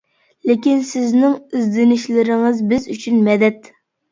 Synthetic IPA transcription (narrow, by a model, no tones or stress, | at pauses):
lekʲinsɪznɪŋizd̪ɪnɪʃlɪɾɪŋɨzbɪzyt͡ʃʰynmɛd̪ɛt̪